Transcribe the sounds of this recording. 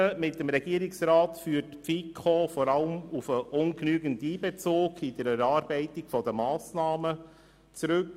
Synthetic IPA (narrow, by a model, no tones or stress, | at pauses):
əmɪtəmɾɛɡiəɾɪksɾaːtfyːtpfikʰoːfɔɾɑləmufəʔʊŋknyːɡəntiːbet͡soːkʰɪd̥əɾɛɾɑːɾbɛɪtɪkfɔd̪əmɑːsnɑːmə | t͡sɾɵk